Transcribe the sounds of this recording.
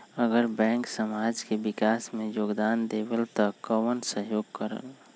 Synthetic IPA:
əɡəɾbɛ̃ːŋksəmaːd͡ʒkebɪkaːsmẽjoːɡd̪aːnd̪eːbəlt̪ɔkəwənsəɦjoːɡkəɾə̰l

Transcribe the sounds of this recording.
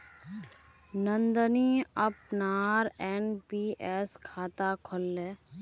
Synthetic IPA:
nə̃nd̪əniəp̚naːɾɛnpiːʔɛːskʰaːt̪akʰɔlːɛː

